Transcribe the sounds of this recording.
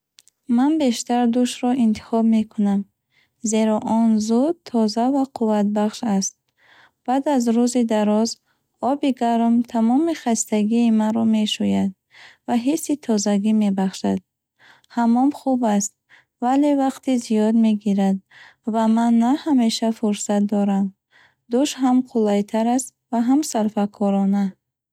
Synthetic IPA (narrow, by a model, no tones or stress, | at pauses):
manbe̞ʃt̪aɾd̪uʃɾɔʔint̪ʰi̥χɔbme̞kʰunam | ze̞ɾɔʔɔnzud̪̚t̪ʰːɔzavaqʰuvat̪̚baχʃast̪̚ | b̥ad̪azɾuzid̪aɾɔz | ɔbiɡaɾmt̪ʰamɔmiχast̪aɡiːmanɾɔme̞ʃujad̪̚ | vaɦisːit̪ʰɔzaɡime̞baχʃad̪̚ | hamɔmχubast̪̚ | vale̞vaqt̪izijɔd̪me̞ɡiɾad̪vamanːahame̞ʃafuɾsat̪̚d̪ɔɾam | d̪uʃɦamqʰulajt̪ʰaɾast̪vaɦamsaɾfakʰɔɾɔna